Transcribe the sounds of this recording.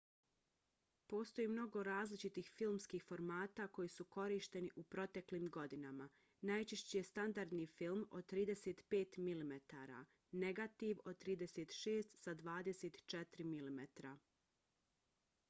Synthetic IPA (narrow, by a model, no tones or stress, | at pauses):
po̞ːst̪o̞jiːmno̞ɡo̞ɾaːzlit͡ʃit̪ixfilˠmskixfo̞ɾmaːt̪ako̞jisuko̞ɾiːʃt̪e̞niʔupɾo̞t̪e̞kliːmɡo̞d̪inama | najt͡ʃeʃt͡ɕijest̪and̪aɾd̪nifilmo̞d̪̚t̪ɾiːd̪e̞set̪pe̞ːt̪milimet̪aːɾa̰ | ne̞ɡat̪iʋo̞d̪̚t̪ɾiːd̪e̞seːt̪ʃe̞ːst̪sad̪ʋaːd̪e̞se̞t̪t͡ʃet̪ɾimilimet̪ɾa